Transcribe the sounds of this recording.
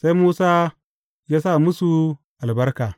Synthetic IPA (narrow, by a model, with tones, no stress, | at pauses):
sa˦jmuː˦saː˦ | jaː˦sa˦˨mʊ˦su˨ | ʔa˨lbɐ˦ɾka˨